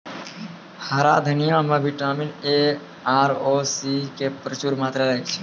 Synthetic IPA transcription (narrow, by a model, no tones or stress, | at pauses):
həɾa̰ːd̪ʱənijãːmeʋɪʈaːmineː | aːɾoːsiːkepɾət͡ʃuːɾmaːt̪ɾaləjt͡ʃʰ